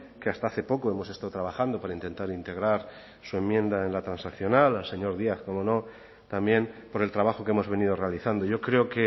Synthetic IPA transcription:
ke̞ast̪aaθe̞po̞koe̞mo̞sest̪aðot̪ɾaβ̞axand̪o̞paɾaint̪e̞nt̪aɾint̪e̞ɣ̞ɾaɾ | sue̞mːjẽ̞nd̪ae̞nlat̪ɾansakθjo̞nalalse̞ɲo̞ɾðiaθko̞mo̞no̞ | t̪ambje̞mpo̞ɾe̞lt̪ɾaβaxo̞kemo̞zβe̞niðo̞re̞aliθand̪oʝo̞kɾe̞oke

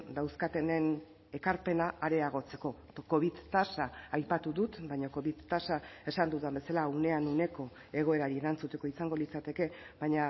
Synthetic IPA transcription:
d̪awskat̪e̞ne̞n | e̞kaɾpe̞naaɾe̞aɣ̞o̞t͡se̞ko̞ | ko̞β̞iðt̪asaːjpat̪uðut̪bajɲo̞ko̞βiðt̪asae̞sand̪uðambe̞salaune̞anune̞ko̞ | e̞ɣ̞o̞e̞ɾaɾieɾant͡sut̪e̞ko̞isaŋɡo̞lit͡sat̪e̞ke̞βajɲa

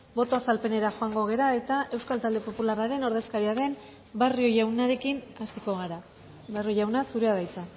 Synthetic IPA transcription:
bo̞t̪o̞asalpe̞ne̞ɾaxo̞aŋɡo̞ɣ̞e̞ɾae̞t̪aʔe̞wskalt̪ald̪e̞po̞pularaɾe̞no̞ɾðe̞skaɾiaðe̞m | bario̞ʝawnaɾe̞kinasiko̞ɣ̞aɾa | bario̞jawnasuɾe̞að̞ajt͡sa

